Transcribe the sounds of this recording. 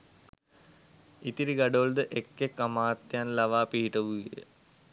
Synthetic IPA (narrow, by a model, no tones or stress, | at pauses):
it̪iɾiɡɐɖold̪əʔekːekːamaːt̪janlɐʋaːpiɦiʈəʋuɡijə̰